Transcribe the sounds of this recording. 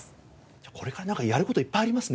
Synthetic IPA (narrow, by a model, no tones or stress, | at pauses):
d͡ʑaːko̞ɾe̞kaɾanãŋkajaɾɯko̞t̪oipːaiaɾʲimasɨn